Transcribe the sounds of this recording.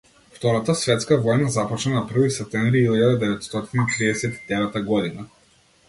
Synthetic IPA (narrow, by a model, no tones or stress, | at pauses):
ft̪ɔɾat̪asvɛt̪skavɔjnazapɔt͡ʃnanapr̩visɛp̚t̪ɛmvɾiilʎad̪ad̪ɛvɛt̪st̪ɔt̪init̪ɾiɛsɛt̪i̥d̪ɛvɛt̪aɡɔd̪ina